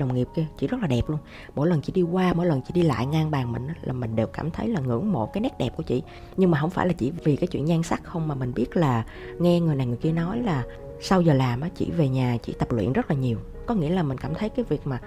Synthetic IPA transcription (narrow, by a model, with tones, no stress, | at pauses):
ɗə˨˩wŋ͡mŋi˨˩əp̚ki˧ət͡ɕḭ˧˨zə˦˥t̚laː˨˩ɛ˨˩p̚lu˧ən | mo̰˧˥jlə˨˩nt͡ɕḭ˧˦ɗi˧kwaː˧mo̰˧˥˦jlə˨˩nt͡ɕḭ˧˩˥ɗi˧la̰ː˧˨jŋaː˧ŋɓaː˨˩ŋmï˨˩ŋ̟ʔaː˨˦laː˨˩mï̟˨˩ɗe˨˩wkaː˧˩mt̪ʰə˨˦jlaː˨˩ŋɨ̰˧˥əŋmo̰˧˥jkaː˨˦jnɛ˦˥t̚ɗɛ˨˩p̚ku˧˩ət͡ɕḭ˧˨ | ɲɨ˧ŋmaː˨˩ɦə˧wŋ͡mfaː˧˩jlaː˨˩t͡ɕḭ˧˨vi˨˩kaː˨˦jt͡ɕwḭ˧˨ənzaː˧ŋsa˦˥k̚xə˧wŋ͡mmaː˨˩mï˨˩ŋ̟ɓi˦˥ət̚laː˨˩ | ŋɛ˧ŋɨ˨˩əjna˨˩jŋɨ˨˩jki˧ənɔ˨˦jlaː˨˩ | sa˧wzəː˨˩laː˨˩mʔaː˨˦t͡ɕḭ˧˨ve˨˩ɲaː˨˩t͡ɕḭ˧˩˥t̪ə˨˩p̚lwḭ˧˨ənzə˦˥t̚laː˨˩ɲi˨˩əw | kɔ˨˦ŋḭ˧˥əlaː˨˩mï˨˩ŋ̟kaː˧˩mt̪ʰə˨˦jkaː˨˦jvi˨˩ək̚maː˨˩